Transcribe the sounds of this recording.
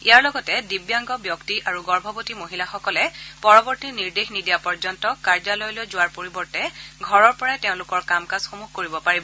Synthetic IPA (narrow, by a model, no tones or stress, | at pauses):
ijaɹlɔɡɔtɛdibjaŋɡɔbjɔktiʔaɹuɡɔɹbʱɔbotimoɦilaxɔkɔlɛpɔɹɔbɔɹtiniɹdexnidijapɔɹzɔntɔkaɹzalɔjlojzʊwaɹpoɹibɔɹtɛɡʱɔɹɔɹpɔɹajteʊ̃lʊkɔɹkamkazxomuxkoɹibɔpaɹibɔ